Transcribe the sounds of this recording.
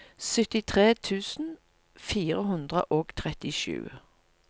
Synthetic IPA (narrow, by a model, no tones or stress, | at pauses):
sœt̪ɪt̪ʰʁeːt̪ʰʉːsn̩ | fiːʁəɦʉnd̪ʁə̰ʔoːɡt̪ʰʁɛt̪ɪʃʉ̰ː